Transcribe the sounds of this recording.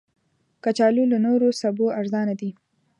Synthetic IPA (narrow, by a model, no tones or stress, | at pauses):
kat͡ʃɑlulanoɾosaboaɾzɑnad̪i